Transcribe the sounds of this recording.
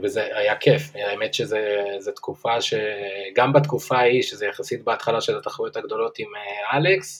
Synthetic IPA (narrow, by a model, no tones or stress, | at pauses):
vezeajakʰefajaemet̪ʃezezet̪kufaʃeɡambat̪kufaiʃezejaχasit̪̚beat̪χalaʃelat̪aχojot̪haɡd̪o̞lo̞t̪imealeks